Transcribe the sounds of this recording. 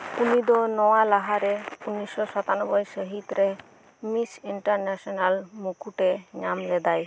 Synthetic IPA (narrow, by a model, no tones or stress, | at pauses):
unid̪ɔnɔwalaɦaɾɛunisːɔsat̪anɔbɔjsəɦit̪ɾɛ | misiɳʈaɾnɛsɔnalmukuʈɛɲamlɛd̪aj